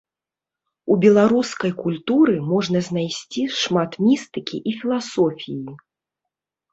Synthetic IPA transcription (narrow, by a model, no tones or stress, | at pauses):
ubʲɛlˠaɾuskɐjkulʲt̪uɾɨmɔʐnɐzʲnajsʲt͡sʲiʂmat̪mʲist̪ɨkʲḭʔifʲilˠasɔfʲiji